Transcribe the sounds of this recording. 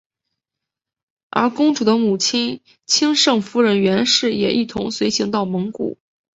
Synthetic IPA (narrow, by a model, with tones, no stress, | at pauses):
ə̰˞˧˥kʊ˥ŋʈ͡ʂu˨˩d̪ə˦mu˨˩t͡ɕʰi˥n | t͡ɕʰi˥ŋʂɤ˥˩ŋfu˧˥ɻə˧˥nɥɛ˧˥nʂɻ̩˥˩jɛ˨˩ʔi˥˩t̪ʰʊ˧˥ŋswe˧˥ɪɕi˧˥ŋt̪ɑ˥˩ʊmɤ˧˥ŋkṵ˨˩˦